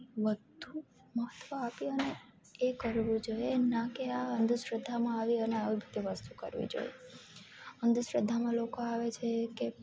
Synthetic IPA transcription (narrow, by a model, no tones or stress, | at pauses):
ʋəd̪ʱu | məɦət̪ːʋəapiəne | ekəɾʋũd͡ʒojenakeaɦənd̪ʱuʃɾəd̪ʱːamãaʋiəneaʋibʱit̪iʋəst̪ukə̰ɾʋḭd͡ʒo̰jḛ | ənd̪uʃɾəd̪ʱːamãlokoaʋet͡ʃʰeke